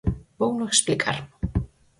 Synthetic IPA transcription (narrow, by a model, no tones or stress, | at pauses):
poːwnɔxspiːkʰa̰ɾ̥